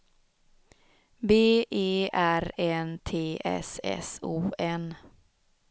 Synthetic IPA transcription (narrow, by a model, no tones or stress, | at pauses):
beːʔeːæɾɛnt̪ʰeːʔɛ̰sɛ̰suːɛn